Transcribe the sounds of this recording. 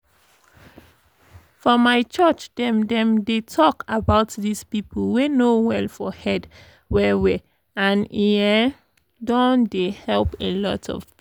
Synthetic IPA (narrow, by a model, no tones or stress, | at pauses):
fɔmaɪt͡ʃɜt͡ʃdɛ̃mdɛ̃mdetʰɔkabaʊtðispipʰəlwenowɛlfɔhɛd | wɛwi | ãniɛ | dɔ̃ndehɛlpelɔtʰɔ̰v̥